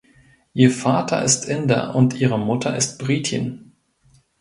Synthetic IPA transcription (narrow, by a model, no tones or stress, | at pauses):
ʔiːɐfaːtʰɐ̰ʔɪstʰʔɪndɐ̰ʔʊntʔiːʁəmʊtʰɐɪst̚b̥ʁiːtʰɪ̰n